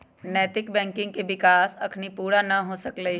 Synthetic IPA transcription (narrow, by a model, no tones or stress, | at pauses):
nɛːt̪ɪk̚bɛ̃ːŋkɪ̃ŋɡ̚keʋɪkaːsɐkʰnipuːɽanɐɦosɐkləi